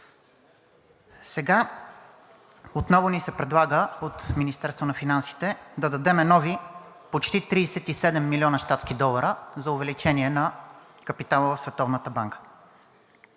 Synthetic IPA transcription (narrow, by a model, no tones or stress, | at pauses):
sɛɡa | ot̪nɔvʊnisɛpɾɛd̪lˠaɡəot̪minist̪ɛɾst̪vonɐfinansi̥t̪ɛd̪ɐd̪ɐd̪ɛmɛnɔvi | pot͡ʃt̪it̪ɾiːsɛt̪isɛd̪ɛmːilʲiɔnəʃt̪at̪skid̪ɔlˠəɾəzɐʊvɛlit͡ʃɛnʲiɛnɐ | kəpit̪alˠəvəfsvɛt̪ɔvnət̪əbaŋkə̥